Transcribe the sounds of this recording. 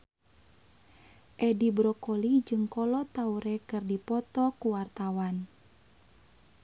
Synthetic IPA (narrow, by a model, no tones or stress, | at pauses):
ʔɛdibɾɔkolid͡ʒɨŋkɔlɔt̪auɾɛkɨrdipɔt̪ɔkuwart̪awan